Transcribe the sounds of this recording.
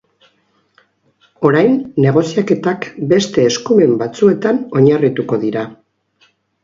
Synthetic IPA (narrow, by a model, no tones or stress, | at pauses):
o̞ɾajnːe̞ɣ̞o̞siake̞t̪akbe̞st̪e̞ːskume̞mbat͡sue̞t̪ano̞ɲarit̪uko̞ðiɾa